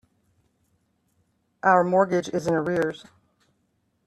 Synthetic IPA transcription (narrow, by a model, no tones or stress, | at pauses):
ʔaʊə˞mɔɹɡɪd͡ʒɪzɪ̃nəɹɪɹz̥